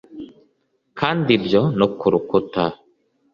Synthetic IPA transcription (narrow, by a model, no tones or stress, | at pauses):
kʰand̪ibd͡ʒɔnɔkʰːuɾukːut̪a